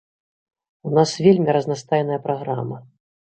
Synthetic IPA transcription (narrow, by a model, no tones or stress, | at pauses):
unasvʲelʲmʲiɾɐznast̪ajɛnɐjɐpɾaɣɾa̰mɐ